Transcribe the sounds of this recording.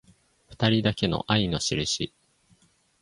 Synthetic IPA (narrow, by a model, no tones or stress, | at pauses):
ɸɯ̥t̪aɾʲid̪ake̞no̞̰ʔaino̞ɕiɾɯ̟ɕi